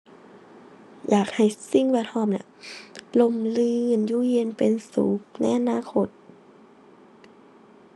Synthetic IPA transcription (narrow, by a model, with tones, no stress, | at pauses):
jaː˨˩k̚ha˨˩jsi˧˥˨ŋwɛː˧˩t̪ʰɔː˧˩˨mna˧˨lo˧˩˨mlɯː˧˨njuː˧˩ji˧ə˨npe˨nsṵː˨˦k̚na̰˧˥˩jʔa˨˧naː˧˥˨kʰo˧˩t̪̚